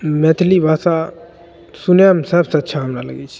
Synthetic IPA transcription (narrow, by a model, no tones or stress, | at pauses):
met̪ʰlibʱaːsa | sunjamsəbsəɐtːʃʰaɦəmɾalə̰ɡɛt͡ʃʰi̥